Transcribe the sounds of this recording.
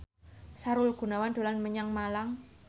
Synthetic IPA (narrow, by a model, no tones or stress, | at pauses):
saɾʊlɡ̥ṳnawand̪̥o̤lanməɲaŋmalaŋ